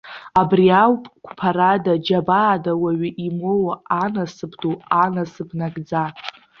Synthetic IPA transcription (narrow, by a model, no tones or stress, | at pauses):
abriawpʼkʷʰpʰaɾadad͡ʒabaːdawaɥiʔimowaanasɨpʰdoanasɨbʰnaɡd͡za